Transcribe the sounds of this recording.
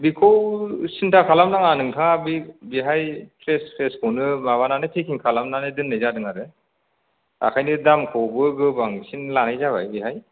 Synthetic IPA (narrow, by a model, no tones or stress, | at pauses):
bikʰɔwsintʰakʰalamnaŋanɯŋtʰaŋabibiɦajpʰɾespʰɾeskʰɔnɯmaβananɯtʰikʰiŋkʰalamnanɯdɯnːɯjzadɯŋaɾɯ | a̰kʰajnɯdamkʰɔwbɯɡɯbaŋsinlanajzaβa̰jbiɦaj